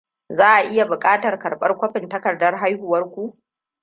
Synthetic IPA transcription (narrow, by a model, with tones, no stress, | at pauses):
zaː˦ʔa˨ʔɪ˦ja˨bʊ˨kʼaː˦tɐ˨rkɐ˨rɓɐ˦rkʷɐ˦ɸɪ˨ntɐ˦kɐ˨rdɐ˦rɦa˦jhʊ˨wɐ˦rkʷu˦ʔ